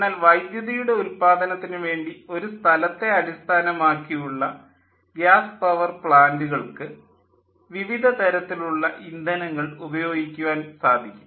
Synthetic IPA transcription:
naːlʋɐjd̪jɐðijuɽe̞ulpaːd̪ɐnɐt̪ːinɨʋe̞ːɳɖio̞ɾust̪ʰɐlɐt̪ːe̞ɐlist̪ʰaːnɐmaːkːijuɭːɐ | ɡjaːspɐʋɐrpɭaːnduɣɐɭkɨ | ʋiʋid̪ʱɐt̪ɐɾɐt̪ːiluɭːɐʔind̪ʱɐnɐŋːɐɭubɐjo̞ːɡikʲːuʋaːnsaːd̪ʱikʲːum

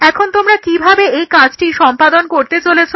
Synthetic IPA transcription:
ɛkʰont̪omɾakibʱabeejkad͡ʑʈiʃɔmpad̪onkoɾt̪et͡ɕolet͡ɕʰo

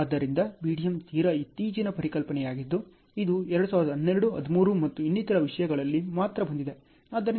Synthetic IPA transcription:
ɐd̪ːɐɾind̪ɐbiːɽijɐmt̪iːɾɐit̪iːd͡ʒinɐpɐɾikɐlpɐnɛjaːɡid̪ːu | id̪uɛɾɐɽusaːʋɾɐd̪ɐnːeɾɐɽuɐ̰d̪ʱimuːɾumɐt̪ːuinːit̪ɐɾɐʋiʂɐjɐɡɐɭɐlːimaːt̪ɾɐbɐnd̪id̪e̞ | ɐd̪ːɐɾi

